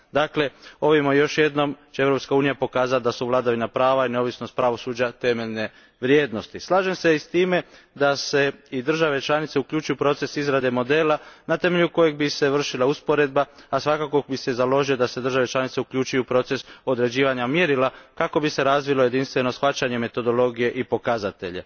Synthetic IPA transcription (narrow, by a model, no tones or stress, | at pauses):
d̪aːkle̞o̞ʋimojo̞ʃjed̪no̞mt͡ɕeeʋɾo̞pskauːnijapo̞kaːzat̪̚d̪asuʋlˠaːd̪aʋinapɾaːʋaineo̞ʋisno̞st̪̚pɾaʋo̞suːd͡ʑat̪e̞me̞ʎne̞ | ʋɾje̞ːd̪no̞st̪islˠaːʒe̞mse̞ist̪iːme̞ | d̪ase̞id̪r̩ʒaʋe̞t͡ʃlˠanit̪se̞ukʎuːt͡ʃujupɾo̞t̪e̞sizɾad̪e̞mo̞d̪e̞ːlanat̪e̞me̞ʎuko̞je̞ɡ̚bise̞ʋr̩ʃilauspo̞ɾe̞d̪̚baːsʋakakobise̞zalo̞ʒijo̞d̪ase̞d̪ɾr̩ʒaʋe̞t͡ʃlanit̪seukʎut͡ʃujupɾo̞t̪se̞so̞d̪ɾe̞d͡ʑiːʋaɲamjeɾilakako̞bise̞ɾazʋiloje̞d̪inst̪ʋe̞no̞sxʋat͡ɕaɲe̞me̞t̪o̞d̪o̞lo̞ɡije̞ʔipo̞kazat̪e̞ʎḛ